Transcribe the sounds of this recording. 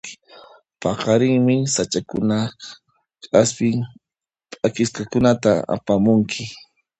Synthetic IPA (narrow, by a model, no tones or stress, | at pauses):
pɑqɑɾɪŋmɪsat͡ʃakʊ̰na | kʼaspɪŋ | pʼakɪskɑkʊnat̪aa̰pamʊŋkʰɪ